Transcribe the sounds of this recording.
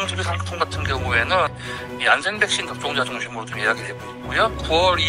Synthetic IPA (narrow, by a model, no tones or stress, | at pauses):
ŋd͡ʑʰibisʰatʰoŋɡatʰɯnkjʌŋue̞nɯn | iand͡ʑenbe̞k̚ɕ͈intʌp̚t͡ɕ͈oŋd͡ʑad͡ʑoŋɕʰimɯɾodoiɦaɡiɦe̞ɡoik̚k͈ojokuwʌɾi